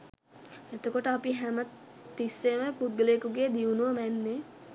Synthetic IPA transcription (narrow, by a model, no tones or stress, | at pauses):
et̪okoʈəapiɦæmət̪ː | isːeməput̪̚ɡəleːkuɡeːd̪iunuʋəmænːe